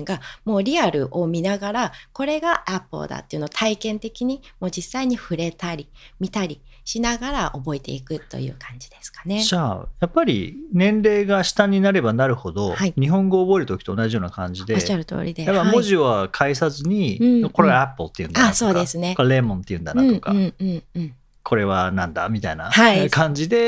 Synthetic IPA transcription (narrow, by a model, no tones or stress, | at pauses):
ŋɡamo̞ːɾʲiaɾɯ̟ʔo̞mʲinaɡaɾako̞ɾe̞ɡaʔapːɯ̰d̪a̰t̪ːeiɯ̟no̞t̪ʰaikẽ̞nt̪e̞kʲiɲ̟imo̞ːd͡ʑisːaiɲ̟iɸɯ̟ɾe̞t̪aɾʲi | mʲit̪aɾʲi | ɕinaɡaɾaʔo̞bo̞et̪e̞̰ikɯ̟t̪ːo̞̰jɯ̟̰ːkʰãɲ̟d͡ʑid̪e̞sɨ̥kḁne̞d͡ʑajapːaɾʲḭnẽ̞nɾe̞ːɡaɕi̥t̪ãɲ̟ːinaɾe̞banaɾɯ̟ho̞d̪o̞haiɲ̟iɦõ̞ŋɡo̞ːbo̞eɾɯ̟t̪o̞kʲi̥t̪o̞ːnaʑijo̞ːnakãɲ̟d͡ʑid̪eaɾɯ̟t̪o̰ːɾʲid̪ejapːamo̞ʑiβakʰaisazɨɲ̟ikoɾe̞ɡaapːot̪ːeiɯ̟nd̪aaso̞ːd̪esɨne̞okoale̞ːmõ̞nt̪ːe̞jɯ̟̃nd̪anãto̞ka̰ɯ̃ɯ̃ɴɯ̃ɴ | kʰo̞ɾe̞β̞anãnd̪a̰mʲit̪aina̰haikãɲ̟d͡ʑid̪e̞